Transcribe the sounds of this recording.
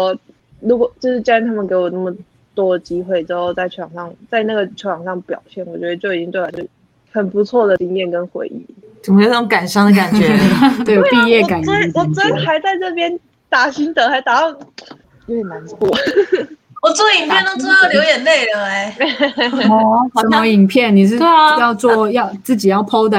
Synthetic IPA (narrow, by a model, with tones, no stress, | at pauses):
ɻu˧˥kwɔ˨˩t͡ɕjʊʂɻ̩˥˩t͡ɕt̪ʰa˥mə˨nke˧˥ɪwɔ˨˩nə˥˩mə˩ | t̪wɔ˥də˨˩t͡ɕi˥xwe˥˩ɪʈ͡ʂɻ̩˧˥xo˥˧ʊt͡sa˥˩ɪt͡ɕʰo˧˥wɑ˨˩ŋʂɑ˥˩ŋt͡sa˥˧ɪna˥˩ɡə˩t͡ɕʰo˧˥wɑ˨˩ŋʂɑ˥˩ŋpjɑ˨˩ʊɕjɛ˥˩nwɔ˨˩t͡ɕɥɛ˧˥d̪ə˧t͡ɕo˥˩i˨˩t͡ɕi˥ŋt̪wa˧˥t͡ɕjo˥˩ | xə˨˩npu˧˥t͡sʰwɔ˥˩d̪ə˩t͡ɕi˥ŋjɛ˥˩nkə˥nxwḛ˧˥ɪʔḭ˥˩t͡ɕme˥˩o˨˩nə˥˩ʈ͡ʂo˧˥ŋ˥ka˨˩nʂɑ˥ŋd̪ə˨ka˨˩nɥɛ˦we˥˩˥pi˥˧jɛ˥˩ka˨˩˥nwɔ˨˦t͡s̩˥˦˥xa˧˥ɪt͡sa˥˧ɪnɤ˥˩pjɛ˥n | t̪a˥˩ɕi˥ŋt̪ə˨˩xa˧˥ɪt̪a˨˩tɑ˥˩ŋ | jo˧˥ʊjɛ˨˩na˧˥nt͡sʰwɔ˥˩ | wɔ˨˩t͡swɔ˥˩i˨˩ŋpʰjɛ˥˧nt̪t͡s̩˥ə˥˩ljo˧˥jɛ˨˩nle˥˩ɪlə˩e˥ɪ | ɔ˥ə˥˩mə˧˥i˨˩ŋpʰjɛ˥˩nni˨˩ʂ̬ɻ̩˥˧˥jɑ˥˧ʊt͡swɔ˥˧jɑ˥˧ʊt͡sɹ̩˥˩t͡ɕi˨˩jɑ˥˩ʊpʰo˥ʊd̪ə˨